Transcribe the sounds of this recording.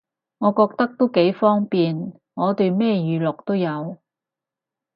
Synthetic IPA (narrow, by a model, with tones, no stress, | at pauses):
ŋɔː˨˧kɔː˧k̚t̪ɐ˥k̚t̪o˥wke˨˥jfɔː˥ŋpiː˨n | ŋɔː˨˧t̪ɵ˧ɥmɛː˥jyː˨˧lʊ˨k̚t̪o˥wjɐ˨˧w